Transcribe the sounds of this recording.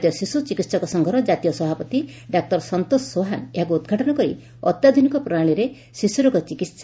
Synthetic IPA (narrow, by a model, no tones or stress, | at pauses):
t̪ijɔsisut͡ʃikit̪sɔkɔsɔŋɡʱɔɾɔd͡ʒat̪ijɔsɔbʱapɔt̪i | ɖak̚ʈɔɾsɔnt̪osːoɦaneɦak̬uːd̪ɡʱaʈɔnɔkɔɾḭ | ɔ̰t̪jad̪ʱunikɔpɾɔaɭ̃iɾe | sisuɾɔkɔt͡ʃikit̪sa